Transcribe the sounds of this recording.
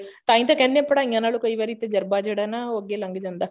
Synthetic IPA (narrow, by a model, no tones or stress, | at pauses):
t̪aːint̪ɐkɛnːepɐɽaɲanaːlukɐjʋaːɾit̪ːed͡ʒɐɾbaːd͡ʒɐɽanaoɡelɐŋɡɐd͡ʒɐnd̪a